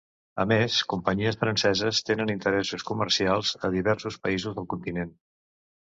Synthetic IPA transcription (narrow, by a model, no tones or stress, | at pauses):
əmeskumpəɲiəsfɾənsɛzəst̪enənint̪əɾɛsuskumərsialˠzəðiβɛɾsuspəizuzðəlˠkunt̪inen